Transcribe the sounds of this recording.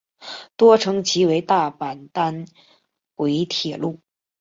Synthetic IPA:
t̪wɔ˥ʈ͡ʂʰɤ˧˥ŋt͡ɕʰi˧˥we˧˥ɪt̪a˥˩pa˨˩nt̪a˥n | kwe˧˥ɪt̪ʰjɛ˨˩lu˥˩

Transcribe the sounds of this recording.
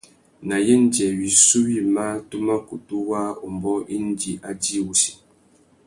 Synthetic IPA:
na˨je˦n̩˦d͡ʒɛ˨wi˨su˦wi˦˨ma˦tu˦ma˦ku˨tu˦wa˦o˨m˨bɔ˦ʔi˦n̩˦d͡ʒi˨ʔa˦di˦˨wu˨si̥˨

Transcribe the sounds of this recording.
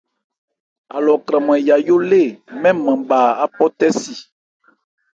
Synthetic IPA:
a˨lɔ˨kɾã˨m˨ɛ̃˨ja˨jo˦le˦˨mɛ̃˦mɛ̃˨ba˨a˦pɔ˦t̪ɛ˦si˨

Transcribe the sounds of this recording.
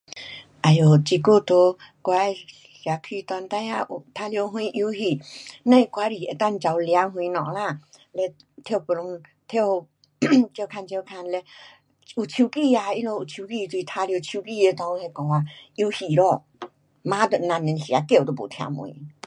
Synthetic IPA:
ʔa˨jo˨t͡ɕi˧ku˥˧˨t̪o˧˦ | kwa˧ | ɬja˨kʰi˧t̪wa˧nt̪a˧˦a˧ʔu˨t̪ʰa˧li˧o˧ɦw̃ĩ˧ʔu˧˦hi˧˨nã˧i˧ka˧˦ɾi˨e˨˧˨t̪a˥˨nt͡ɕa˧wlja˧˦ɦw̃ĩ˧nɔ̰̃˨la˧˨ | le˧ | t̪ʰjo˥˧˨pu˧lʊ˧˦ŋt̪ʰjo˥˧ | t͡ɕo˧kʰa˧nt͡ɕe˧kʰa˧nle˧ | u˨t͡ɕʰu˧ki˥˧˨a˧i˧lo˧u˨˩t͡ɕʰu˧ki˧t̪i˧˦t̪ʰa˧˦lo˧t͡ɕʰu˧ki˥˧˨je˧t̪ã˧ŋu˧he˧kɔ˧ŋa˧i˧˦hi˨ɾɔ˧˨ | mã˦t̪ə˧˨nã˧˨nne˧˦nɬja˨˦ke˧˨t̪o˧po̰˨t̪ʰja̰˧mwṵ̃˧˨˦

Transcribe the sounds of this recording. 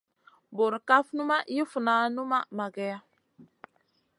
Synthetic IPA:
bo˨ɾka˦fnu˦ma˦ji˦fu˨naː˦nu˦ma˦ma˨ɡɛ˦a˦

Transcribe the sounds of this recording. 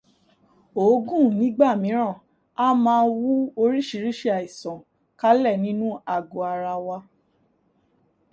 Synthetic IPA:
o˨˦ɡũ˦˨nĩ˨˦ɡ͡ba˦˨mĩ˨˦ɾ̃ã˦˨ | a˦mãː˧˦˧wu˦o˧ɾi˦ʃi˨˧˦ɾi˦ʃe˦a˨i˨sɔ̃˨ | ka˦lɛ˦˨nĩ˦nũ˦a˨ɡo˨a˨ɾa˧wa˧

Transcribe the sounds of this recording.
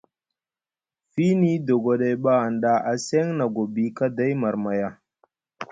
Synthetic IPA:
fi˦ni˦do˨ɡo˨ɗa˨jɓa˦a˨nɗa˦ʔa˨sɛ˦ŋna˨ɡo˨bi˦ka˦da˦jma˨ɾma˨ja˦

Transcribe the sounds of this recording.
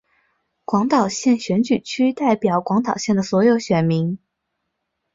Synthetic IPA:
kwɑ˧˥ŋt̪ɑ˨˩ʊɕjɛ˥˩nɕɥɛ˧˥nt͡ɕy˨˩t͡ɕʰy˥t̪a˥˩ɪpjɑ˨˩ʊkwɑ˧˥ŋt̪ɑ˨˩ʊɕjɛ˥˩nd̪ə˩swɔ˧˥jo˧˥ʊɕɥɛ˨˩nmi˧˥ŋ

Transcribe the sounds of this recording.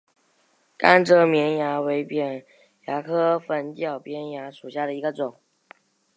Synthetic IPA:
ka̰˥nʈ͡ʂɤ˧˥mjɛ˧˥nja˧˥we˧˥ɪpjɛ˨˩n | ja˧˥kʰɤ˥fə˧˥nt͡ɕjɑ˨˩ʊpjɛ˥nja˧˥ʂu˨˩ɕja˥˩ɾə˩i˧˥ɡə˧t͡sʊ˨˩˦ŋ

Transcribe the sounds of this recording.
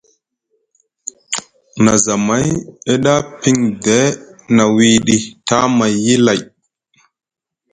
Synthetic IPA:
na˨za˨ma˦je˦ɗa˦pi˦ŋde˦na˨wi˨ɗi˨ta˦ma˨jːi˦la˨j

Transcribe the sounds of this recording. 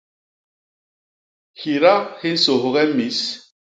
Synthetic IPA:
hi˨ɾa˦hi˦n̩˦so˨ɦɣɛ˦mi˨˦s

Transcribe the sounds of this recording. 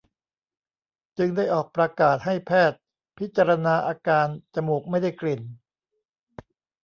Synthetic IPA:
t͡ɕɯ˧ŋda˥˩jʔɔː˨˩k̚pɾa˧kaː˨˩t̪̚ɦa˥˩jpʰɛː˥˩t̪̚ | pʰi˦˥t̪̚t͡ɕa˧ɾa˧naː˧ʔaː˧kaː˧nt͡ɕa˨˩muː˨˩k̚ma˥˩jda˥˩jkli˨˩n

